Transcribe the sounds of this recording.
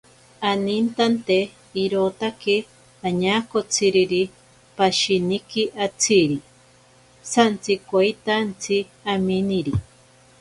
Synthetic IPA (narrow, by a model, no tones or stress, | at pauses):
anint̪ant̪e | iɾot̪ake | aɲaːkot͡sʰiɾiɾi | paʃinikiʔat͡sʰiɾi | sant͡sikwajt̪ant͡sʰi | aminiɾi